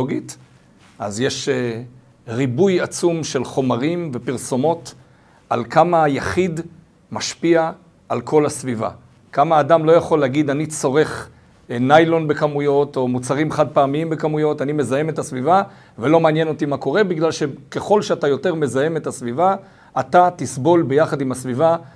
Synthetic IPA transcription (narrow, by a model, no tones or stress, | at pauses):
oɡit | azje̞ʃe | ʁibujat͡sumʃe̞lχo̞maʁimve̞piʁso̞mo̞t | alkamajaχid̪ | maʃpiaː | lkʰo̞lasviva̰ | kamaːdamlo̞jaχo̞leaɡid̪anit͡so̞ʁe̞χ | najlo̞nbe̞kamujo̞t̪o̞mut͡saʁimeχad̪̚paːmiimbekamujo̞tanime̞zajeme̞tasviva | velo̞meaːnjeno̞t̪imako̞ʁe̞biɡlalʃe̞keχo̞lʃeatajo̞te̞ʁme̞zajemetasvivaː | t̪at̪isbo̞lbe̞jaχad̪imasviva